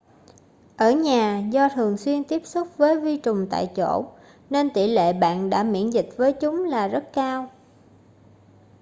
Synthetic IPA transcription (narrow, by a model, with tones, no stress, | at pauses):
ʔəː˧˩ɲaː˨˩zɔ˧t̪ʰɨ˨˩əŋswi˧ənt̪i˦˥əp̚sʊ˦˥k͡p̚vəː˨˦jvi˧t͡ɕʊ˨˩ŋ͡mt̪a̰ː˧˨jt͡ɕo̰˧˩ | ne˧nt̪i˧˩lḛ˧˨ɓa̰ː˧˨nɗa̰ː˧˥mḭ˧˥ənzï˨˩k̚vəː˨˦jt͡ɕʊ˨˦ŋ͡mlaː˨˩zə˦˥t̚kaː˧w